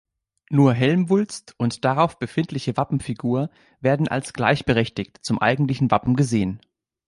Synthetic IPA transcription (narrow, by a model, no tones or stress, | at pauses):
nuːɐɦɛlmvʊlt͡stʊntd̥aʁaʊfb̥əfɪntlɪçəvapm̩fiɡuːɐ | veːɐdn̩ʔa̰lsɡ̥laɪçb̥əʁɛçtɪçtt͡sʊmʔa̰ɪɡŋ̩tlɪçn̩vapm̩ɡəzeːən